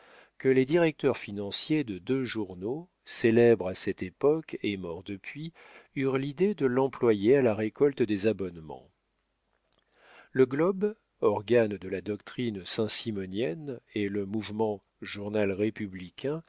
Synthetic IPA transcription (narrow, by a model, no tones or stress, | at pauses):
kəled̪iʁɛk̚t̪œʁfinɑ̃sjed̪əd̪øʒuʁno | selɛbʁasɛt̪epɔkemɔʁd̪əpɥi | yʁlid̪ed̪əlɑ̃plwajealaʁekɔlt̪d̪ezabɔnmɑ̰̃ | ləɡlɔb | ɔʁɡand̪əlad̪ɔk̚t̪χinsɛ̃simɔnjɛneləmuvmɑ̃ | ʒuʁnalʁepyblikʲʰɛ̃